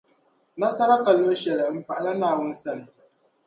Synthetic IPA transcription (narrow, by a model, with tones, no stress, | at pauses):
na˦sa˦ɾa˦ka˨lo˦ʃɛ˨lɪ˨m̩˨pa˨ʔa˨la˦naː˨wʊ˦n̩˦sa˦nɨ˨